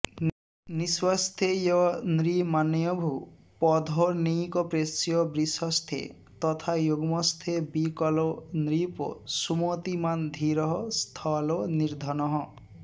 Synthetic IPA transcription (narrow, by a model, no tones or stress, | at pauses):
niswast̪ʰejɔnɾimanjɔbʱu | pɔd̪ʱɔnikɔpɾesjɔbɾisɔst̪ʰḛ | t̪ɔt̪ʰajoɡɔmɔst̪ʰebikɔlɔnɾipɔ̰sumot̪imand̪ʱiɾɔɦɔst̪ʰɔlɔniɾd̪ʱɔnɔɦɔ̃